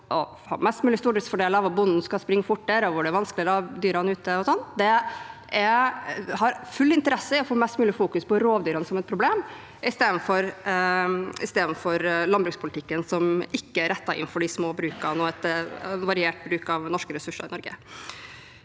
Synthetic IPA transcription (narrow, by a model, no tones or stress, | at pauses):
ʔɔ | hɑ̰mɛst̪mʉːlɪst̪uːɖɪt̪sfɔɖeːləɑʋɑbʊnn̩skɑspɾɪŋːəfʊʈːd̪æːɾɔʋʊɖɛæʋɑnsklɪɾɑd̪yːɾɑnəʉːt̪əɔsɔnːd̪ɛ | ɛ | hɑɾfʉlːɪnt̪əɾɛsəɪɔfoːmɛst̪mʉːlɪfuːkʉspɔɾoːʋd̪yːɾɑnəsɔmɛt̪̚pʰɾʊbleːm | ʔɪst̪eːd̪n̩fɔɾ | ɪ̰st̪eːd̪n̩fɔɾlɑnbɾʉːkspʰʊlt̪ɪkːənsɔmɪkːəæɾʔɛt̪ːɑɪ̰nn̩fɔɖɪsmoːbɾʉːkɑnɔːɛt̪ʋɑɾɪeːʈ̚bɾʉːkɑʋnɔʂkəɾɛsʉʂːɑ̰ɪnɔɾɡə̰